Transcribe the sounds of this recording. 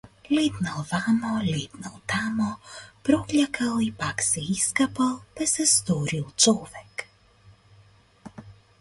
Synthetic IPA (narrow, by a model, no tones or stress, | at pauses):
lʲet̪nalˠvamɔlʲed̪nalˠt̪amɔpɾɔklʲakʰalˠipaksɛiskapalˠt̪asɛst̪oɾilˠt͡ʃɔːʋɛk